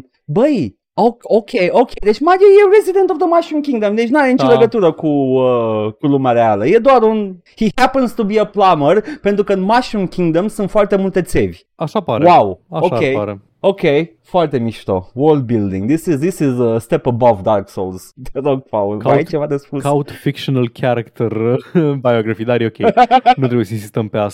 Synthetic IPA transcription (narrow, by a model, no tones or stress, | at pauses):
bəj | ookʰejokejd̪et͡ʃmad͡ʒejeɹezid̪ẽnt̪ovd̪əmaʃũmkʲĩŋɡd̪əmd̪et͡ʃnuaɾenit͡ʃəleɡət̪uɾəkuəkulumaɾealəjed̪oaɾun | hihæpənz̥t̪ubiəplamərpent̪ɾukəɨnmaʃũmkʲʰĩŋɡd̪əmsunt̪foart̪emult̪e̞t̪sevʲ | aʃapaɾwawaʃoakejaɾe | okʲej | foart̪e̞miʃt̪o̰wold̪̚bild̪ḭŋɡd̪isizd̪isizəst̪epəbɔvd̪arksolz̥d̪eroɡ̚fawlait͡ʃe̞vad̪espukaut̪fikʃonalkʰaɾakt̪erbajoɡɾafid̪aɾjeokʲejnut̪ɾebujesəins̬ist̪əmpeas